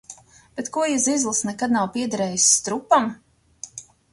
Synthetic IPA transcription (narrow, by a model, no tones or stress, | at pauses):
b̥et̪kuɔjizizlˠɨsnɛkad̪̚nawpʲiɛd̪aɾɛːjist̪ɾupam